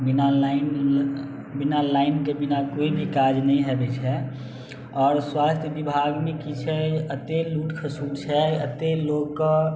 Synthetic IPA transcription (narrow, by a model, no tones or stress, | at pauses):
bɪnalaɪn | bɪnalaɪnkebɪnakoibʱikaːd͡ʒnəɦĩɦɛbet͡ʃʰɦɛ | ɔːɾswaːst̪ʰjəʋibʱaɡmekit͡ʃʰɛət̪eluːʈkʰəsuːɽt͡ʃʰɛət̪eloɡk